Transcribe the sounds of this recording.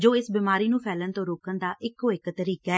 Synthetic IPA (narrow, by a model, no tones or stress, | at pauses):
d͡ʒoːɪsbiːmaːɾiːnũːpʰɛːlənt̪õːɾoːkənd̪aːʔɪkɦoːɪkt̪əɾiːkaː